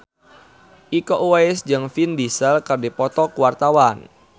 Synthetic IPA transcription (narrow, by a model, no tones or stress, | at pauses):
ʔikoʔuwaisd͡ʒɨŋfindisəlkərdipɔt̪ɔkuwart̪awan